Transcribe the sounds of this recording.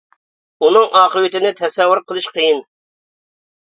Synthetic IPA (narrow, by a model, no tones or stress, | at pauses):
unɨŋɑːqəwɪt̪ɪnɪt̪ʰɛsɛwːʊɾqʰəlˠɨʃqʰəjin